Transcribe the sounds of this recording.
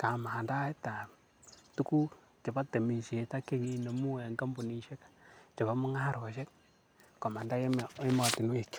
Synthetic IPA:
ka˨ma˨ha˨nda˦ta˨ | tu˦ku˦ | t͡ʃe˨ba˦te˨mi˨ʃi˨e˨ta˦ke˦ŋi˦ne˨mu˦e˨ŋɡa˦mbu˨ni˨˦ʃe˦kḁ˨t͡ʃe˨ba˦mu˦ŋa˦hɾo˨ʃe˦k̚ | ko˨ma˨nda˦je˦m˨e˦mɔ˨tɪ˨n˦i˨k

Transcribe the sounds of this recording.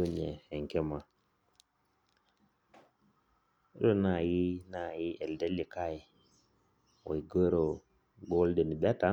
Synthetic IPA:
u˦ɲe˨he˨ŋ˨ke˦ma˨˦ | ɾo˦na˨ji˦na˦˨ji˦ʔe˨lde˦li˨ka˦ji˨ | wo̰˨i˨ɡə˦ɾo˨ | ɡo˦lde˨ni˨ɓa˦ta˨˦

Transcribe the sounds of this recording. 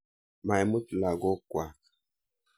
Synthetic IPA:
ma˨jmu˦tla˨ɡɔ˦kwa˨

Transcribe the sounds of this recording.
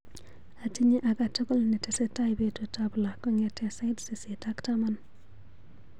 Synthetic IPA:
a˨ti˦ɲe˦ʔa˨ka˨to˦ko˦lni˨tɛ˨sɛ˦ta˦ɪ˨be˦to˨tabla˨kɔ˦ɲɛ˨tɛ˦sa˦ɪdsi˨si˨ta˦ktama˦n

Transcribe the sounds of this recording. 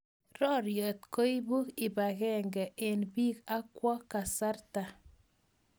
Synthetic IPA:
ɾɔ˦ɾjo˨t̪ko˦i˦bu˦kɪ˨ba˨kɛ˦ŋɡɛ˨ʔɪ˨nbiː˦ka˦kwɔ˦ka˨sa˦ɾta˨

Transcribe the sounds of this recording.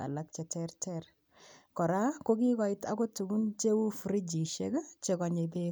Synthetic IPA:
a̰˨la˦k̚t͡ʃɛ˨tʰɛrtɛr | kɔ˨ɾa˦ko˦ki˦kɔ˨ɪ˦ta˦ko˦tu˨ɡu˦nt͡ʃe˦u˦fɾi˦d͡ʒi˨ʃe˦kt͡ʃe˨kɔ˨ɲe˨pe

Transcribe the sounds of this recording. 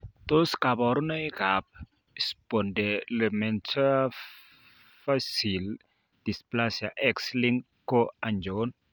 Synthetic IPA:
t̪o˦ska˨bɔ˨ɾna˦ika˨p̚ | ispo˨nde˨le˨mɛ˨nt͡ʃa˦ | fasi˨l | d̪̥i˨splasja˨ʔɛksliŋ | ko˦aɲd͡ʒon

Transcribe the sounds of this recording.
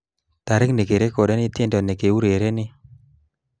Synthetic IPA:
t̪a˨ɾɪ˦kne˨ke˨ɾe˦kɔ˨dɛ˦nɪ˦t̪ɪ˦ndɔ˨ne˨ke˨u˦ɾe˨ɾe˦nɪ˦

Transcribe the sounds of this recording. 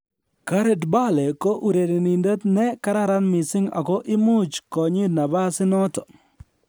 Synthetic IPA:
ka˦ɾe˦˨dba˦le˨ko˦ʔu˨ɾe˨de˨ni˨ndə˦tnɛ˦ka˦ɾa˦ɾa˦nmɪ˨sɪ˦ŋa̰˨kɔ˦ʔɪ˦mu˦t͡ʃkɔ˨ɲi˦na˨ba˦sɪ˦nɔ˦tɔ˨

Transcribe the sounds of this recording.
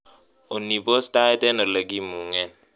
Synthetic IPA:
o˨nːi˨bo˦sta˦e˦tɛ˦no˨le˨ɡi˦mu˨ŋɛ˦n

